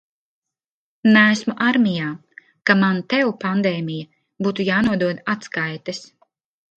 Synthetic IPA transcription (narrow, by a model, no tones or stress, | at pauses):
næːsmuʔaɾmijaː | kamant̪ɛwpand̪ɛːmijɐ | buːt̪ujaːnuɔd̪uɔd̪at̪skajt̪ɐs